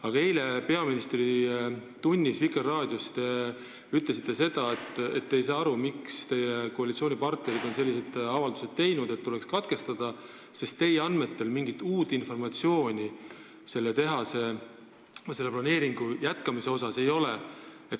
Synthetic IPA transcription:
ɑɡ̥ɑe̞jle̞pe̞ɑminist̪rit̪unʲːisvikːˑerɑːd̪̥ʲjust̪e | yt̪ˑle̞s̬it̪ːˑe̞se̞d̪̥ɑet̪ˑːe̞t̪ːejs̬ɑːɑɾumikst̪e̞jekoɑlʲit̪sio̞ːnʲipɑrt̪neɾid̪̥o̞nse̞lʲːise̞d̪̥ɑvɑld̪use̞d̪̥̚t̪e̞jnud̪e̞t̪ːule̞kskɑt̪̚ke̞st̪ɑd̪̥ɑ | se̞st̪t̪ːe̞jeɑnme̞t̪ːe̞lmiŋɡit̪ːˑuːt̪ːˑinfo̞rmɑt̪sio̞ːnʲi | se̞lːet̪e̞ɦɑse̞ | se̞lːeplɑne̞ːɾiŋɡ̥ujæt̪kɑmise̞o̞s̬ɑse̞jo̞le | et̪

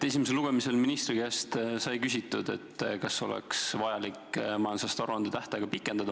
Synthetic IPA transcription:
t̪ːesimeselːuɡ̥e̞mise̞lminist̪rikæst̪sɑjkysʲit̪ːˑud̪̥e̞̰t̪ːkɑso̞̰lɛ̰ksvɑjɑlikːmɑjɑnsɑst̪ɑɾuɑnd̪̥et̪æht̪eɡ̥ɑpikˑːe̞nd̪̥ɑd̪̥ɑ

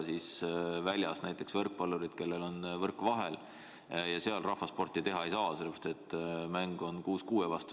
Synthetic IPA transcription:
sisvælʲjɑsnæjt̪ˑːe̞ksvɤrk̚pɑlːuɾid̪̥ke̞lːe̞lo̞nvɤrkːˑvɑɦel | jɑse̞ɑlrɑhfɑspo̞rt̪ːˑit̪e̞ɦɑe̞jsɑːselːepɑ̥st̪et̪ːˑmæŋɡ̥o̞nkuːskuːevɑst̪u

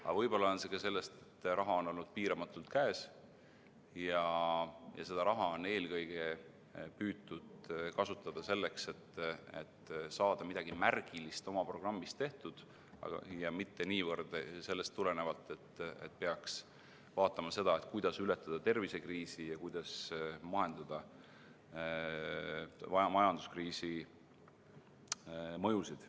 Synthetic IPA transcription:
ɑ̰vɤjb̥o̞lːɑonse̞kɑse̞lːe̞st̪e̞̥t̪ːrɑɦɑo̞no̞lnud̪̥̚piːɾɑmɑt̪ːˑult̪kæːs | jɑ | jɑ̰se̞d̪̥ɑɾɑɦɑo̞ne̞ːlkɤjɡ̥e̞ | pyːt̪ːˑud̪̥kɑsut̪ːˑɑd̪̥ɑse̞lːe̞kse̞t̪ːḛt̪sɑːd̪̥ɑmid̪ɑɡ̥imærɡ̥ilist̪o̞mɑpro̞ɡ̥rɑmːist̪e̞ht̪ud̪̥ | ɑ̰ɡ̰jɑmit̪ːe̞niːvɤrd̪̥se̞lːest̪ːule̞ne̞vɑlt̪ːˑe̞t̪ːe̞̰t̪̚peɑks | vɑːt̪ːˑɑmɑse̞d̪ɑet̪ˑkujd̪ɑsylet̪ːˑɑd̪̥ɑt̪e̞rvise̞kriːsijɑkujd̪̥ɑsmɑɦe̞nd̪ɑd̪̥ɑ | mɑjɑnd̪̥u̥skriːsi | mɤ̞jusid̪̥

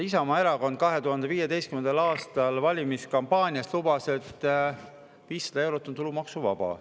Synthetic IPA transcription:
isɑmɑe̞ɾɑko̞nd̪̥̚kɑɦe̞t̪uɦɑnd̪̥eviːjed̪e̞jst̪kymend̪ɑlɑːst̪ɑlvɑlʲimiskɑmpɑːnʲiɑst̪lubɑse̞t̪ːˑ | viːsːɑd̪̥ɑe̞wɾot̪ːˑont̪ulumɑksuvɑ̰b̥ɑ̰

